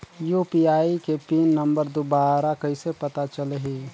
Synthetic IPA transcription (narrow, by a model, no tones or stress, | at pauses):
joːpiaːikepiːnːə̃mbəɾd̪obaːɾakɐisepɐt̪at͡ʃəleɦiː